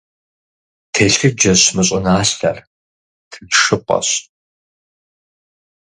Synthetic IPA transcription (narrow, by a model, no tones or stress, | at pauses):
tʰeːɬɨd͡ʒɐɕmɨɕʼɪnaːɬɬɐ̰r | tʰɨdʂɨpʷʼɐ̰ɕ